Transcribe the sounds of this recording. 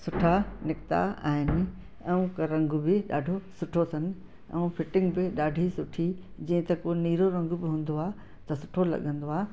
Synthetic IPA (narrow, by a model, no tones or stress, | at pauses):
sʊʈʰanɪkt̪a̰a̰ːɦɪnɪ̆ | ɛ̃ũkɐɾɐ̃ŋɡʊbɪɗaːɖʱosʊʈʰot̪ʰɐnɪ̆ | ɛ̰̃ũfɪʈɪ̃ŋɡbɪɗaːɖʱisʊʈʰid͡ʑɐ̃ɦɪ̃t̪ɐkoːniːɾoɾɐ̃ŋɡʊbɪɦũːn̆d̪oaː | t̪ɐsʊʈʰolɐ̰ɠə̃nd̪oaːɦ